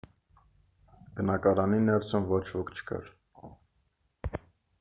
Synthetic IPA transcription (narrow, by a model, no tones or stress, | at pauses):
bənɑkɑɾɑninɛɾt͡sʰumvɔt͡ʃʰvɔkʰt͡ʃʰə̥kɑ̰ɾ